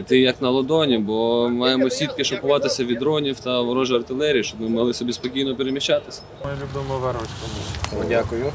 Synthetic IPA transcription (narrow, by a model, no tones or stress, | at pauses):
t̪ɪjɐknɐlˠɔd̪ɔnʲibɔmɑjemɔsʲit̪kɪʃɔkʊʋɑt̪ɪsʲɐʋʲid̪ɾɔnʲiwt̪ɐʋɔɾɔʒɪɐrt̪ɪlˠɛɾʲiːʃɔmɪmɐɦlˠɪsɔbʲispɔkʲijnɔpeɾemʲiʃt͡ʃat̪ɪsʲɐ̥mɛlʲubɪmɔʋɛɾʋɐsʲkɔmudʲakʊjʊ